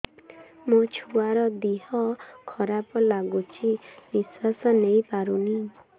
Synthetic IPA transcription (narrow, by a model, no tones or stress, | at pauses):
mot͡ʃʰuaɾɔd̪iɦɔkʰɔɾapɔlaɡut͡ʃʰibiswasɔnejpaɾuni